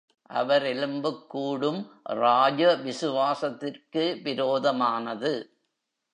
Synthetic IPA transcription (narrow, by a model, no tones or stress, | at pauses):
ʔɐ̰ʋɐɾɛɭɯmbɯkːuːɽɯmɾaːd͡ʒɐʋɪsɯʋaːsɐt̪ːɪrkɯʋɪɾoːðɐmaːnɐðɯ